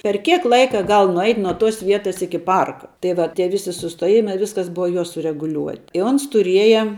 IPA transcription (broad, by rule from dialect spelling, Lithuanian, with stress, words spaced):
pʲɛr ˈkʲiɛk ˈlˠɐɪkɐ ˈɡɐlˠ nʊˈɛɪtʲ nuɔ toːs ˈʋʲiɛtɐs ˈɪkʲɪ ˈpɐrkɐ tɐɪ ˈʋɐ tʲiɛ ˈʋʲɪsʲɪ sʊstuɔˈjɪmɐɪ ˈʋʲɪskɐs ˈbʊʋɐ ˈjoː sʊrʲɛɡʊˈlʲuɔtʲɪ ɪ ˈoːns tʊˈrʲiɛjɛ